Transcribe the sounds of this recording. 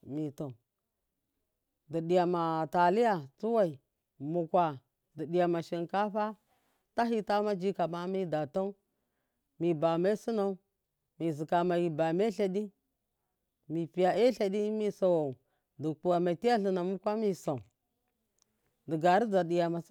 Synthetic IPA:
mi˨to˨ | di˨ɗi˨ja˨ma˨ta˨li˦ja˨t͡su˦wa˦i˨ | mu˨kʷa˨ | di˨ɗi˨ja˨ma˨ʃi˨nka˦ɸa˦ | ta˦ɦi˦ta˦ma˦d͡ʒi˦ka˨ma˦mi˦da˨to˦ | mi˨ba˨ma˦i˦si˦na˦u˦ | mi˨zi˨ka˨ma˨ji˨ba˨me˦ɬa˨di˦ | mi˨pi˨ja˨e˦ɬa˨di˦mi˦sa˨wa˨ | di˨k͡pu˨wa˨ma˨ti˦ja˦ɬi˨na˨mu˦kʷa˦mi˦sa˨u˨ | di˨ɡa˨ɾi˦d͡za˨ɗi˨ja˨ma˨˦

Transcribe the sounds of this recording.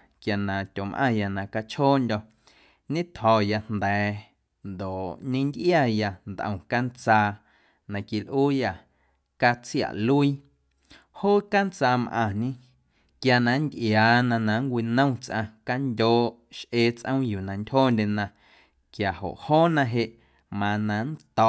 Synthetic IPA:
kja˨nã˨t̪ʲo˨mʔã̰˧˨ja˨nã˨ka˧t͡ʃhoː˦nd̪ʲɔ˧ | ɲẽ˦t̪hɔ˨ja˧n̥nd̪ɛː˨ | nd̪o˨ʔɲẽ˦nd̪ʔja˦˧ja˧nd̪ʔə̰̃˨ka˦nt͡saː˧ | nã˧ki˧lʔuː˦ja˧ | ka˧t͡sja̰˨ʔlu˦i˦ | hoː˦ka˦nt͡saː˧mʔã̰˧˨ɲẽ˦ | kja˧nã˧nd̪ʔjaː˨nã˧nã˨ŋkʷi˧nə̃˦w̃t͡sʔã̰˧ka˦ndʲoː˦ | ʃʔeː˧t͡sʔə̃˦w̃juː˨nã˨ndʲhoː˦nd̪ʲe˧nã˧ | kja˨ho̰˨ʔhoː˦nã˧ɦe˧ʔ | mã˧nã˧n˦t̪ɔ˧˨

